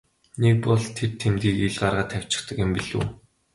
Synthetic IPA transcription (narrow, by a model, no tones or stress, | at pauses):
nek̚pɔɮt̪ʰert̪ʰemt̪ɡiːkiɮɢarʁaːt̪ʰæw̥t͡ɕɪ̆t̪ə̆kjɪ̆mpiɮṵː